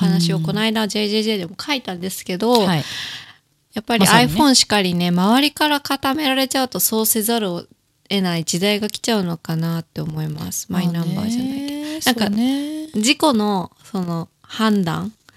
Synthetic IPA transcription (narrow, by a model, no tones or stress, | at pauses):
hanaɕio̞ko̞naid̪ad͡ʑe̞ʑeʑed̪e̞mo̞kʰait̪ãnd̪e̞sɨ̥ke̞d̪o̞ | japːaɾʲiiaiɸõ̞ɰ̃ɕi̥kaɾʲine̞maβaɾʲikaɾakat̪ame̞ɾaɾe̞t͡ɕaɯ̟t̪o̞so̞ːse̞zaɾɯ | e̞naid͡ʑid̪aiɡakʲi̥t͡ɕaɯ̟no̞kanat̪ːe̞o̞mo̞ima̰sɨ̥maĩnːãmba̰ːʑanaik̪aãŋka | d͡ʑiko̞no̞so̞no̞hãnd̪ã̰ŋ